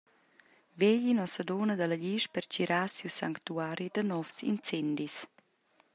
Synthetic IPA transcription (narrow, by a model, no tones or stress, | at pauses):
veʎinɔsədoːnəd̪alaʎiːʃpɛrt͡ʃiɾʔaːsiwsaŋkt̪uaːɾid̪ənɔfsḭnt͡sɛnd̪is